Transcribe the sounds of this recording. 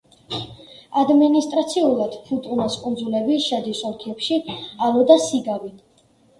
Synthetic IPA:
ad̪minist̪ʼɾat̪sʰiulˠad̪̥pʰut̪ʼunaskʼund̪zulɛbiʃɛd̪isɔɾkʰiɛpʃialˠɔd̪asiɡavi

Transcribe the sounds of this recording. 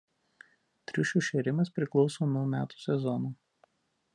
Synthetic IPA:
t̪ʲɾʲɪʃʲʊʃʲeɾʲɪmɐspʲɾʲɪklˠɒʊsoːnuɔmʲæːt̪u̥sʲɛzɔnuː

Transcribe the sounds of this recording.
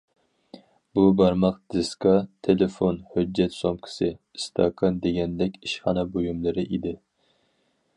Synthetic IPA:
bubɑɾmɑq̚d̪̥ɨskɑt̪ʰelefonhød͡ʒːɛt̪somkʲʰɪ̥sɪst̪ʰɑ̰kʰɑnd̪eɡʲɛnd̪ɛkʲiʃχɑnɛbojumlˠɨɾɪʔid̪ɪ

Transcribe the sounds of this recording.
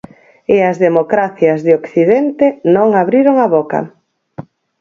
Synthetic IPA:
ɪɐzðemokɾaθjɐzðeokθiðent̪enõŋaβɾiɾoŋaβɔkɐ̰

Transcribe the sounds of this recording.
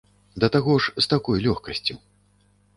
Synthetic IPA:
d̪ɐt̪aɣɔʂst̪akɔjlʲɔxkɐsʲt͡sʲu

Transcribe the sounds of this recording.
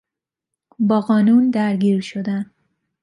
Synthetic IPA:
bɒːqɒːnund̪aɾɡiɾʃod̪an

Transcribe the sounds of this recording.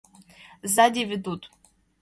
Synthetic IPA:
zad̪ʲivʲɪd̪ut̪ʼ

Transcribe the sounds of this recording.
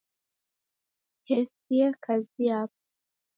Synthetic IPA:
kɛsiakazijap̚

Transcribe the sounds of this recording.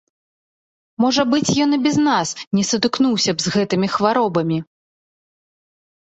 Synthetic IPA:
mɔʐɐbɨt͡sʲjɔnɨbʲɛznasnʲɛsɐd̪ɨknuwsʲɐbzɣɛt̪ɨmʲixvaɾɔbɐmʲi

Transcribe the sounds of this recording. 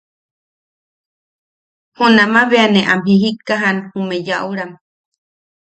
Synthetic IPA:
hunamaβeaneʔamhiɦikaɦanhumejaʔuɾam

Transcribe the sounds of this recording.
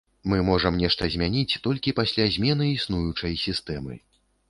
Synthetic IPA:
mɨmɔʐɐmnʲɛʂt̪ɐzʲmʲanʲit͡sʲt̪ɔlʲkʲipasʲlʲazʲmʲɛnɨisnujut͡ʂɐjsʲist̪ɛmɨ̰

